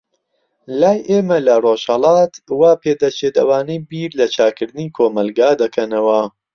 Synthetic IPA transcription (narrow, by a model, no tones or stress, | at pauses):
laːjʔeːmɐlɐroːʃhɐlɑːt̪waːpʰeːd̪ɐt͡ʃʰet̪ɐwaːnijbiːɾlɐt͡ʃʰaːkɨɾd̪ɨnikʰoːmɐlɡaːd̪ɐkʰɐnɐwɐ